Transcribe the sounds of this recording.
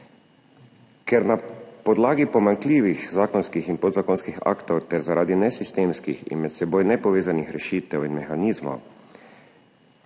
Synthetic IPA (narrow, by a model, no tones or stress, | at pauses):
kʰɛɾnapɔd̪laːɡipɔmaŋkliːʋixzaːkɔnskixinpod̪zakonskixa̰ːkt̪ɔwt̪ɛɾzaɾʔaːd̪inɛsist̪eːmskḭxḭnmɛt̪sɛboːjnɛpɔʋeːzanixɾɛʃiːt̪ɛwinmɛxaniːzmo̰w